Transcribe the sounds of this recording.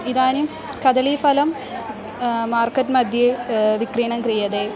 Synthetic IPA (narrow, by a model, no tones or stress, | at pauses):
iðaːnum | kɐd̪ɐlifɐlɐm | maːrkɐt̬mɐd̪ʱjeʋikriːɳɐmkrijɐðe